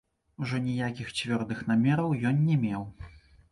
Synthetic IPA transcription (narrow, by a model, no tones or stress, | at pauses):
uʐɔnʲijakʲixt͡sʲvʲɔrd̪ɨxnamʲɛɾɐwjɔnːʲɛmʲɛw